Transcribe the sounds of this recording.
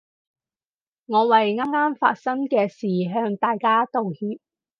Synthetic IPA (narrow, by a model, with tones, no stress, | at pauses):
ŋɔː˨˧wɐ˨jŋaː˥mŋaː˥mfa̰ː˧t̚sɐ˥ŋkɛː˧siː˨˩ɦœː˧ŋt̪aː˨jkaː˥t̪o˨whiː˧p̚